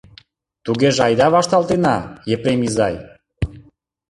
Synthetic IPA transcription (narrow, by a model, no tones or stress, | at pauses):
t̪uɣeʒɑjd̪ɑβɑʃt̪ɑlˠt̪enɑjepɾemizɑj